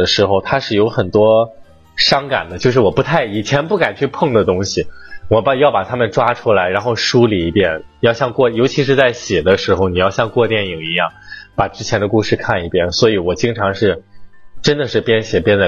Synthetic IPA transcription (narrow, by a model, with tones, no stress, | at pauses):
ə˩ʂɻ̩˧˥xo˧ʊt̪ʰa˥ʂɻ̩˥˩jo˧˥ʊxə˨˩nt̪wɔ˥ | ʂɑ˥ŋka̰˨˩nd̪ə˦t͡ɕjo˥˧ʊʂ̬ɻ̩˥˩wɔ˨˩pu˧˥t̪ʰa˥˩ɪi˨˩t͡ɕʰjɛ˧˥npu˥˩ka˨˩nt͡ɕʰy˥˧pʰɤ˥˩ŋd̪ə˩t̪ʊ˥ŋɕi˨˩wɔ˨˩pa˧jɑ˥˩ʊpa˨˩t̪ʰa˥mə˨nʈ͡ʂwa˥ʈ͡ʂʰu˥la˧˥ɪɻa˧˥nxo˥˧ʊʂu˥li˨˩i˧˥pjɛ˥˩n | jɑ˥˧ʊɕjɑ˥˧ŋkwɔ˥˧jo˧˥ʊt͡ɕʰi˧˥ʂ̬ɻ̩˥˧t͡sa˥˩ɪɕjɛ˨˩d̪ə˦ʂɻ̩˧˥xo˧ʊni˨˩jɑ˥˧ʊɕjɑ˥˧ŋkwɔ˥˧t̪jɛ˥˩ni˨˩ŋi˧˥jɑ˥˩ŋpa˨˩ʈ͡ʂɻ̩˥t͡ɕʰjɛ˧˥nd̪ə˧ku˥˧ʂɻ̩˥˧kʰa˥˩ni˧˩pjɛ˥nswɔ˧˥i˧˥wɔ˨˩t͡ɕi˥ŋʈ͡ʂʰɑ˧˥ŋʂɻ̩˥˩ʈ͡ʂə˥nd̪ə˨ʂɻ̩˥˩pjɛ˥nɕjɛ˨˩pjɛ˥nd͡za˥˧˩